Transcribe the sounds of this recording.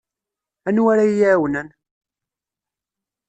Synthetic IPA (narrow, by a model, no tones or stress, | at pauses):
ænwaɾajawnən